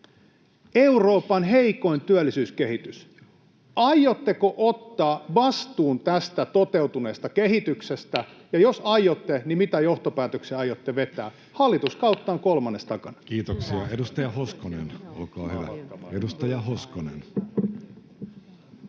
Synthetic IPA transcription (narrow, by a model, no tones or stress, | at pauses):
euro̞ːpɑnɦeiko̞ent̪yælːisyːskehit̪ys | ɑjːot̪ːekoʔot̪ːɑːʋɑst̪uːnt̪æst̪æt̪ot̪e̞ut̪une̞ːst̪ɑkeɦit̪yksest̪æjɑjosɑjot̪ːenimit̪æjoht̪opæːt̪økseːɑjot̪ːeʋe̞t̪æː | hɑlːit̪uskɑut̪ːɑːŋkolmɑnːest̪ɑkɑnkiːt̪oksiɑedust̪ɑjɑhoskonḛno̰lkɑːhyʋæ̰edust̪ɑjɑhoskonḛn